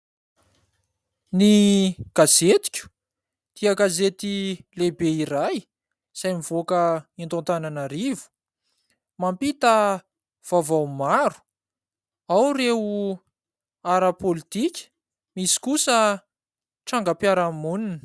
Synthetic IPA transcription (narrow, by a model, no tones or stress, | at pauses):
niɡ̥azet̪i̥kʲu̥ | t̪iaɡazet̪ilebeiɾaj | z̥ajmivokəint̪õnt̪ananaɾivu̥ | mampit̪ə | v̥avawmaɾu̥ | awreu | aɾəpolit̪ikʲə̥ | misi̥kusə | ʈ͡ʂaŋɡəpjaɾamunini̥